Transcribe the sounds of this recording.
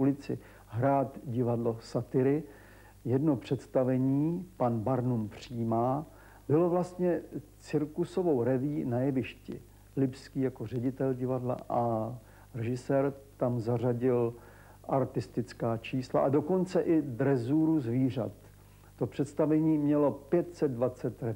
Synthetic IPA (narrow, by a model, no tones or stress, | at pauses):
ʔulɪt͡sɪ | ɦɾaːt̪ɟɪvadlo̞sat̪ɪɾɪ | jɛdno̞pr̝̥ɛt̪st̪avɛɲiːpanbaɾnumpr̝̥iːmaː | bɪlo̞vlast̪ɲɛt͡sɪɾkuso̞vo̞wɾɛviːnajɛvɪʃcɪ̰ | lɪpskiːjako̞r̝ɛɟɪt̪ɛlɟɪvadla̰ʔa | rɛʒɪsɛːɾt̪amzaraɟɪl | ʔaɾt̪ɪst̪ɪt͡skaːt͡ʃiːslaʔado̞kont͡sɛʔɪd̪ɾɛzuːɾuzviːr̝a̰t̪ː | o̞pr̝̥ɛt̪st̪avɛɲiːmɲɛlo̞pjɛt̪sɛd̪̚dvat͡sɛt̪ɾɛ